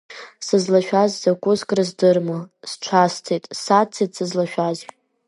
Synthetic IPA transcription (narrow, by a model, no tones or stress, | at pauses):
sɨzlaʃᶣazzakʷʼʊzkʼrɨzdɨrmɨsʈ͡ʂʷʰastʰetʼsat͡sʰetʼsɨzlaʃᶣaz